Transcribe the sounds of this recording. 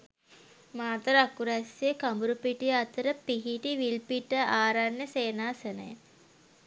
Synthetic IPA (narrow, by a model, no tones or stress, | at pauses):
maːt̪əɾakuɾæsiəkambuɾupiʈijəat̪əɾəpiɦiʈiʋilpiʈəaːɾanjəseːnaːsənəjə